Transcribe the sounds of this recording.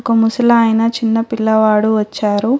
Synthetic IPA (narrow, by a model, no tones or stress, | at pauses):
kɐmusɐlɐɐːjnɐt͡ʃinːɐpilːɐʋaːɽuʋɐt͡ʃːaːɾu